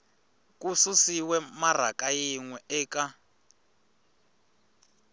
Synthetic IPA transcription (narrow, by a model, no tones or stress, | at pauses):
kususiwɛmar̤akajiŋwɛʔɛːka